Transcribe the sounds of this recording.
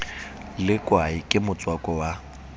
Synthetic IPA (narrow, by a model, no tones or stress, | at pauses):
lɪkʼwaikʼɪmʊt͡sʼwakʼɔwa